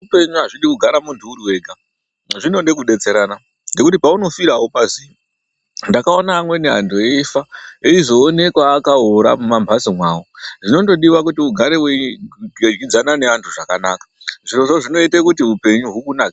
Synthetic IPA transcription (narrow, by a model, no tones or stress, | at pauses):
upe̞ɲuaʐiɗikuɡʱaɾamuntʰuːɾuwe̞ːɡʱa | ʐino̞nde̞kuɗe̞t͡se̞ɾana | nde̞kutipauno̞fiɾawopaziːʋo | ndakao̞naːmwe̞neɦa̰ntʰoefaeizo̞ːne̞kwaːkaɦoɾa̰mumambʱasimwaːwoʐino̞nto̞ɗiʋak̬utiuɡʱaɾewe | d͡ʒɡid͡zanane̞antʰuʐakanaːkḁʐiroʐoʐino̞itekutiupe̞ɲuɦukunaːkḁ